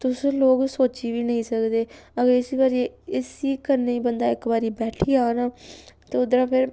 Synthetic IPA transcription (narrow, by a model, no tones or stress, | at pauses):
t̪ʊsloːɡsoːt͡ʃiːʋiːnəĩːsəkd̪eːəɡəɾɪsiːbaːɾiːɪsiːkəɾneːiːbənd̪aːɪkbaːɾiːbɛːʈʰiːaːnaːt̪eːʊd̪ɾaːpʰɪɾ